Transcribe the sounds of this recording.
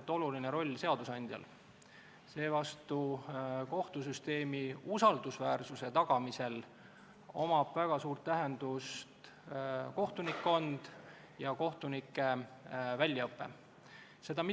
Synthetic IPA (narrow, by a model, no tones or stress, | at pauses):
t̪ːˑo̞lulineɾo̞lʲːse̞ɑd̪̥usɑnʲd̪̥ʲjɑ̰l | se̞ːvɑst̪uko̞ht̪us̬yst̪e̞ːmiusɑld̪̥usvæːrsuse̞t̪ɑɡ̥ɑmise̞l | o̞mɑb̥væɡ̥ɑsuːrt̪ːæɦend̪̥ust̪ | ko̞ht̪unikːo̞nd̪̥ | jɑko̞ht̪unikːˑe̞vælʲːjɑɤpːe̞̰ | se̞d̪̥ɑmi